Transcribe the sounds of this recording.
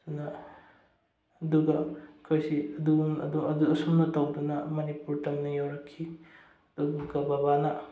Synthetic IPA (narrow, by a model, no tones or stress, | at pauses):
sunɐ | duɡɐkʰojsiɐduɐ̰duɐduɐsumnɐtawdunɐmɐnipuɾtɐmnɐjawɾɐkʰːi | d̥ubuɡɐbabanɐ